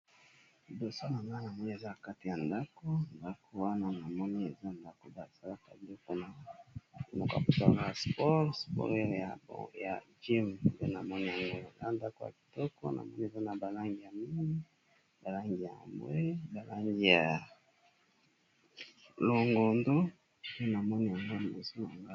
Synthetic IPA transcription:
do˨so˦na˨na˦na˨mɔ˦ni˦e˨za˦a˨ka˦ti˨ja˨nda˦ko˦nda˦kʰo˨˦wa˦na˦na˨mɔ˦ni˦e˨za˦˨nda˦ko˨ba˨sa˦la˦ka̰˨bi˦li˦ko˦na˨a˨u˨mo˨ka̰˨pu˦ta˦wa̰˦˨la˦ja˨spɔ˦ʁspɔ̰˨lɛ˦˨ja̰˨ja˨d͡ʒi˦mbe˦na˨mɔ˦ni˨ja˨ŋɡo˦˨na˦nda˦ko˦ja̰˨ki̥˨tɔ˦kɔ̰˦na̰˨mɔ˦ni˦e˨za˦na˨ba˨la˦ŋɡi˨ja˨mi˦ni˦ | ba˨la˦ŋɡi˨ja̰˨mbṵ˦e˦ba˨la˦ŋɡi˦˨ja˨ | lo˨ŋɡo˨ndo˦ | pe˦na˨mɔ˦ni˨ja˨ŋɡo˦m˨o˨so˦na˨ŋɡa˦

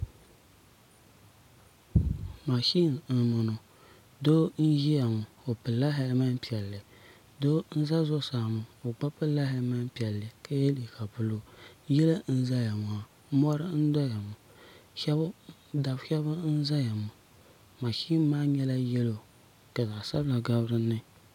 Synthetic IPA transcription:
ma˨ʃi˦˨n̩˨mʊ˨nʊ˨ | do˦n̩˦ʒi˦ja˨mʊ˨ | o˨pɨ˨la˦ɦɪ˦ma˦n˦pi˨ɛ˨lːɨ˨ | do˦n̩˦za˦zo˦saː˨mʊ˨o˨ɡ͡ba˦pɨ˦la˦ɦɪ˦ma˦mpi˨ɛ˨lːɨ˨ka˦jɛ˦li˨kʰa˨bʊ˨lo˦jɛ˦lɨ˦n̩˦za˦ja˨ŋʊ˨a˨˦ | mɔ˦ɾɨ˦n̩˦dɔ˦ja˨mʊ˨ | ʃɛ˦b | da˨bʃɛ˦bʊ˦n̩˦za˦ja˨mʊ˨ | ma˨ʃi˦mːaː˦ɲɛ˦la˦jɛ˦lo˨ | ka˨za˨sa˦bla˨ɡa˦bɾɨ˦nːɨ˦

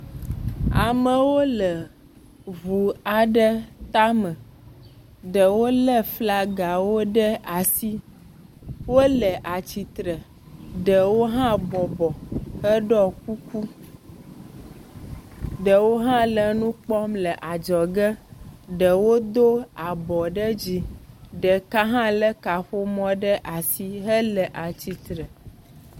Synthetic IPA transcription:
a̰˨mə̃˨wo˦lə˨ | vu˨a˨ɖə˦t̪a˦mə̃˨ | ɖə˨wo˦lə˦fla˦ɡa˨wo˦ɖə˦a˨si˦ | wo˦lə˨ʔa˨t͡ɕi˨t̪ɾə˨ | ɖə˨wo˦ɦã˦bɔ˨bɔ˨hə˦ɖɔ˦ku˦ku˦ | ɖə˨wo˦ɦã˦lə˨nũ˦k͡pɔ˦mlə˨ʔa˨d͡ʒɔ˨ɡə˦ɖə˨wo˦d̪o˦a˨bɔ˨ɖə˦d͡ʑi˦ɖə˨ka˦ɦã˦lə˦ka˨ɸo˦mɔ̃˦ɖə˦ʔa˨si˦ɦə˦lə˨ʔa˨t͡ɕi˨t̪ɾə˨

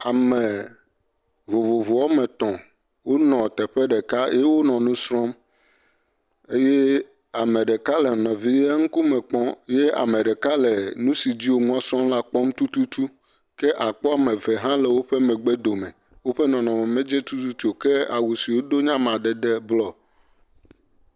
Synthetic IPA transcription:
a˨me˨ | vo˨vo˨vo˨wa˦me˨t̪ɔ̃˨ | wo˦nɔ̃˨t̪ɛ˨ɸe˦ɖɛ˨ka˦e˦je˦wo˦nɔ̃˨nũ˦sɾɔ̃˦m | e˦je˦ | a˨mẽ˨ɖɛ˨ka˦le˨nɔ̃˨vi˦ja˦ŋ̩˦ku˦mɛ˨k͡pɔ̃˦je˦a̰˨mẽ˨ɖɛ˨ka˦le˨nũ˦si˨d͡ʑi˦wo˨ŋɔ̃˦sɾɔ̃˦mla˦k͡pɔ˦m˦t̪u˦t̪u˦t̪u˦ | ke˦ʔa˨k͡pɔ˦a˨mẽ˨vɛ˨ɦã˦lɛ˨wo˦ɸe˦mɛ̃˨ɡ͡be˦d̪o˨mɛ̰̃˨ | wo˦ɸe˦nɔ̃˨nɔ̃˨mɛ˨mɛ̃˦d͡ʒe˦t̪u˦t̪u˦t̪u˦o˨ke˦a˨wu˨si˨wo˦d̪o˦ɲã˦mã˨ɖɛ˨d̪e˦blɔ˦˨

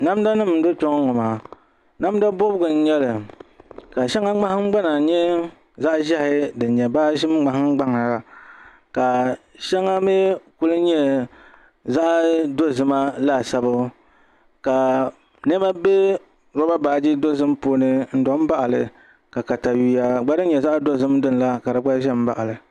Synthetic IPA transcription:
na˦m˦da˦nɨ˦m˨˦do˦t͡ʃɔ˦ŋɔ˦ŋɔ˨maː˨ | na˦m˦da˦bo˦bɡʊ˨n̩˦ɲɛ˦lɨ˨ | ka˨ʃɛ˦ŋa˦ŋ͡ma˦hɪ˦ŋ͡mɡ͡ba˦na˨ɲɛ˦ | za˦ʔʒɛ˦hɪ˦dɨ˨ɲɛ˨ba˦ʃɪ˦m˦ŋ͡ma˨hɪ˦ŋ˦ɡ͡ba˦ŋa˨la˨ | ka˨ʃɛ˦ŋa˦me˦ku˦lɨ˦ɲɛ˦ | za˦ʔdo˦zɨ˨ma˦la˦˨sa˦bɨ˦ | ka˨ | nɛ˦ma˦be˦ | ɾɔ˦ba˦baː˨˦d͡ʒi˦do˦zɨ˦m˦poː˦nɨ˦n̩˦dɔ˨˦m̩˦ba˦ʔa˨lɨ˨ | ka˨ka˨ta˨ju˨ja˨ɡ͡ba˦dɨ˦ɲɛ˨za˦ʔdo˦zɨ˦mdɨ˦n˨˦la˦ka˨ɾɨ˨ɡ͡ba˦ʒɛ˦m˦ba̰˦˨ʔa˨lɨ˨

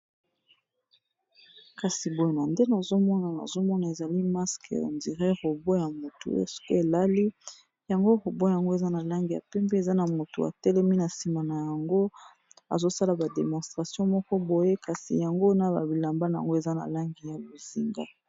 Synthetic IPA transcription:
ka˨si˨bo˨je˦na˨nde˦na˨zo˦mɔ˦na˨na̰˨zo˦mɔ˦na˨e˨za˨li˦ma˦skḛ˨o̰˨ndi˨ʁe˦ʁo˨bo˦ja˨mo˨tṵ˨˦˨so̥˦ko˦e˨la˦li˦ | ja˨ŋɡo˦ʁo˨bo˦ja˨ŋɡo˦e˨za˦na˨la˦ŋɡi˨ja̰˨pɛ˦mbe˦e˨za˦na˨mo˨tu˨a̰˨tɛ˦lɛ˦mi˦na˨si˨ma˨na˨ja˨ŋɡo˦ | a̰˨zo˦sa˦la˨ba˨de˨mɔ̃˨stχa˨sjɔ̃˦mɔ˦kɔ˦bo˨je˦ka˨sḭ˨ja˨ŋɡo˦na˦ba̰˨bi˨la˨mba˦na˨ja̰˨ŋɡo˦e˨za˦na̰˨la˦ŋɡi˨ja˨bi˨zi˨ŋɡa̰˦

